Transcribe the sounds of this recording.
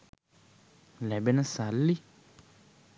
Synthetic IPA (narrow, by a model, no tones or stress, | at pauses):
lɛbɛnɛ̃salːi